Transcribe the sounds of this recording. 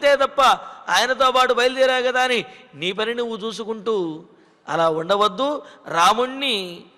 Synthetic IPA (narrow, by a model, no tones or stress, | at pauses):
t̪e̞ːt̪ɐpːɐaːjɐnɐt̪̬o̞ːpaːʈubʱɐjɐld̪iːɾaːkɐd̪aːniniːpɐniniut͡ʃuːs̬ukuɳʈuː | ɐ̰laːuɳɖɐʋɐd̪ːuːɾaːmuɳːi